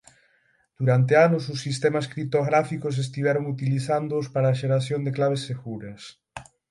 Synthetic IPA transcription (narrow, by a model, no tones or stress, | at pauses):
d̪̥uɾant̪eanʊsʊsːist̪ɛmɐskɾip̚t̪oɣɾafikʊs̬es̬t̪iβɛɾoŋut̪iliθand̪oʊːspaɾaːʃeɾaθjoŋd̪eklaβ̞esːeɣuɾɐs